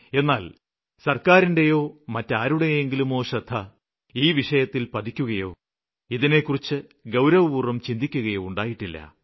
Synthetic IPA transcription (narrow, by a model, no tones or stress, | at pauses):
e̞nːaːl | sɐrkaːɾinde̞jo̞ːmɐtːaːɾuɽejoeŋɡilumo̞ːʂɐd̪ʱːɐ | iːʋiʂɐjɐt̪ːilpɐd̪ikʲːuɣɐjo̞̰ː | iðine̞kːurit͡ɕːɨ | ɡɐwɾɐʋɐʋuːrɐmt͡ɕind̪ʱikʲːuɣɐjo̞ːuɳɖaːjiʈːilːɐ̰